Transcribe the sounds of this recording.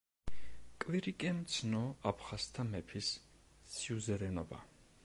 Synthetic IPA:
kʼviɾikʼɛmt̪sʰnɔapʰχast̪ʰamɛpʰis | siuzɛɾɛnɔba̰

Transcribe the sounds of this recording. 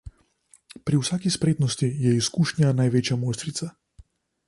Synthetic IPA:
pɾiwsaːkispɾeːt̪nɔst̪ijɛiskuːʃnjanajʋeːt͡ʃjamoːjst̪ɾit̪sa

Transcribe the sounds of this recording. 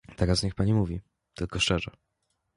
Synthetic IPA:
t̪ɛɾasɲɛxpaɲimuvʲi | t̪ʰɘlkɔʂt͡ʂɛʐɛ̰

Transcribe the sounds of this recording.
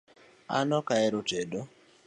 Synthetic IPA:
a̰nɔkaɛɾotedo

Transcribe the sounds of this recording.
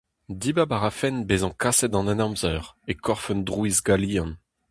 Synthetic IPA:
dibabaʁafɛnbezɑ̃kʰasɛd̪ɑ̃nɛnɑ̃mzœːʁekʰɔʁfœnd̪ʁwuiːzɡaliːɑ̃n

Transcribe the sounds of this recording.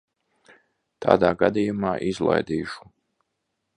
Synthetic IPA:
t̪ʰa̰ːd̪aːɡad̪ijumaːʔizlˠa̰jd̪iːʃu̥

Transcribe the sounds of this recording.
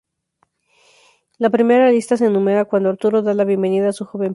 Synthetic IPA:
lapɾime̞ɾalist̪ase̞ːnũmeɾakwand̪oaɾt̪uɾo̞ðalaβje̞mbe̞niðaːsuxo̞βe̞m

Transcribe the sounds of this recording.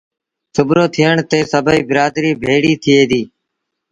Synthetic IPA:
sʊbɾoːt̪ʰɪjəɳt̪eːsəbʱiːbɪɾaːd̪ɾiːbʱeːɽiːt̪ʰɪeːd̪iː

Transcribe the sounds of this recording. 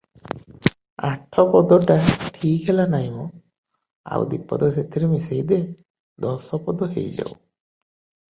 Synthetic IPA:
a̰ʈʰɔpɔd̪ɔʈaʈʰiːkʰelanaɦjmɔ | a̰w̰d̪ipɔ̰d̪ɔset̪ʰiɾemisejd̪e | d̪ɔsɔpɔd̪ɔɦḛjd͡ʒa̰w

